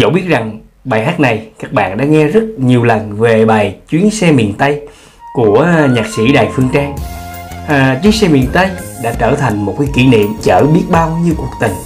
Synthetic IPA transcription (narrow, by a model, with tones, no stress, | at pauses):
zə̰˧˩wɓi˦˥ət̚za˨˩ŋ | ɓaː˨˩jɦaː˦˥t̚na˨˩jkaː˦˥k̚ɓa̰ː˧˨nɗa̰ː˧˥ŋɛ˧zə˦˥t̚ɲi˨˩əwlə˨˩nve˨˩ɓaː˨˩jt͡ɕwi˨˦ənsɛ˧mḭ˨ənt̪ə˧j | ku˧˩əɲaː˨˩k̚sḭ˧˥ɗaː˨˩jfɨ˧ŋt͡ɕaː˧ŋ | t͡ɕwi˨˦ənsɛ˧mḭ˨˩ənt̪ə˧jɗa̰ː˧˥t͡ɕəː˧˩t̪ʰa˨˩jŋ̟mo˨˩t̚kaː˨˦jki˧˩nḭ˧˨mt͡ɕəː˧˩ɓi˦˥ət̚ɓaː˧wɲi˧wku˨˩ək̚t̪ï˨˩ŋ̟